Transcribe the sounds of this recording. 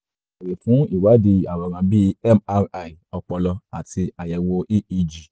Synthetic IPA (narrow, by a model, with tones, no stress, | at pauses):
a˨ɾe˨fũ˨˦i˦˨wa˨˦di˧˨a˨wɔ˨˧˨ɾ̃ã˧bi˦ɛ˦ma˧˦i˨ɔ˧k͡pɔ˧lɔ˧a̰˨ti˧a˨jɛ˨wo˧ʔi˦i˧d͡ʒi˨